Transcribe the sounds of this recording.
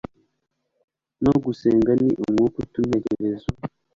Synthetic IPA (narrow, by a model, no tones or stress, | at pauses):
noɡuseːŋɡaniʔomŋukutun̥heɾeɾezo